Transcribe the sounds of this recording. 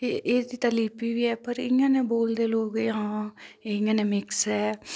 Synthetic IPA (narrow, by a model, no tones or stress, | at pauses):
eːd̪iːt̪aːliːpiːʋiːɛːpəɾɪjãːneːboːld̪eːloːɡeɦãːeːɪ̃jãːneːmɪksɦɛː